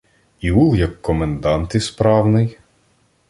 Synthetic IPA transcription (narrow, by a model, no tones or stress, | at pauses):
ibulˠjɐkːɔmend̪ɑnt̪ɪspɾɑwnɪj